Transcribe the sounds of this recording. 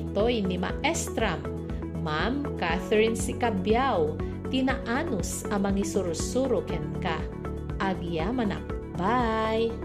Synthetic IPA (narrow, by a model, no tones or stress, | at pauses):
t̪ojnima̰ʔɛst̪ɾamː | amkaθɛɹɪnsɪkabjaw | t̪ɪnaʔanʊs | ɐmɐŋisʊɾsuɾʊkɛnka | ʔɐɡjamɐna̰k̚ | baj